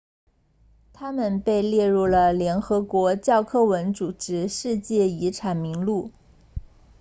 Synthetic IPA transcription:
t̪ʰa˥mə˨npe˥˧ɪljɛ˥˧ɻu˥˩lə˩ljɛ˧˥nxɤ˧˥kwɔ˧˥t͡ɕjɑ˥˧ʊkʰɤ˥˩wə˧˥nt͡su˨˩ʈ͡ʂɻ̩˧˥ʂɻ̩˥˧t͡ɕjɛ˥˩i˧˥ʈ͡ʂʰa˨˩nmi˧˥ŋlu˥˩

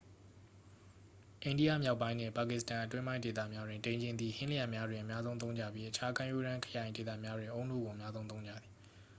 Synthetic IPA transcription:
ʔẽ˨ndi˦ja̰˦˨mja˦ʊpːã˦ɪ̃n̥ɪ̰̃˦˨pa˨kɪ˦˨stã˨ʔətwɪ̃˦mã˦ɪ̃nde˨t̪ä̰˦˨mja˦dwɪ̃˨ntẽ˨ɲd͡ʑɪ̃˨nd̪ði˨hɪ̃˦li˦jã˨mja˦dwɪ̃˨ʔə˨mja˦zõ˦t̪̬õ˦ʊ̃ɲd͡ʑa̰˦˨bji˦ʔət͡ɕʰa˦kʰã˦˨ju˦ɾã˦kʰə̥˨jã˨ɪ̃de˨t̪ä̰˦˨mja˦dwɪ̃˨ʔõ˦ʊ̃nṵ˦˨ɡo˨ʔə˨mja˦zõ˦t̪õ˦ʊ̃ɲd͡ʑä̰˦˨d̪ði˨

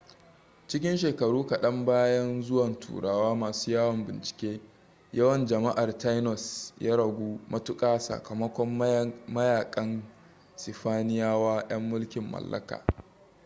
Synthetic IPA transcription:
t͡ʃɪ˦kʲɪ˦nʃeː˨kɐ˨ɽuː˦kɐ˨ɗɐ˦mbaː˦jɐ˦nzʊ˦wɐ˨ntʰṵː˨ɽaː˦waː˦maː˨su̥ː˦jaː˦wɐ˨mbɪ˨nt͡ʃɪ̥˨kʲeː˦ | jɐ˦wɐ˨nd͡ʒɐ˨ma˦ʔa˨rta˦jnɔ˨sjaː˦ɽɐ˨ɡʷuː˦mʔɐ˦tʊ˦kʼaː˦sɐ̰˨kɐ˨mɐ˦kʷɔ˦mmɐ˦jaː˨kʼɐ˦n | sɪ˨ɸaː˦nɪ˦jaː˦waː˦j̰ɐ˦mːʊ˦lkʲɪ˨mːɐ̰˨lːɐ̰˦ka̰ː˨

